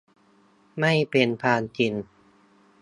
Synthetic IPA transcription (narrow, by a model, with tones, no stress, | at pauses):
ma˥˩jpe˧npʰaː˧nt͡ɕi˧n